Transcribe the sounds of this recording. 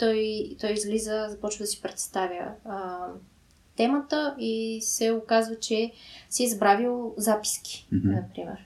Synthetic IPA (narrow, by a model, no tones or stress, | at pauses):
t̪ɔjt̪ɔjizlizəzɐpɔt͡ʃvəd̪ɐsi̥pɾɛt̪st̪avʲjə | t̪ɛmət̪əisɛʊkazvət͡ʃɛsizbɾavilˠzapi̥skʲi̥nɐpɾimɛ̰ɾ